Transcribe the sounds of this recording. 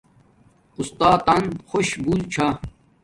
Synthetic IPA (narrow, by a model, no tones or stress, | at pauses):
ust̪aːt̪ɐnxoɕbuːlt͡ɕʰa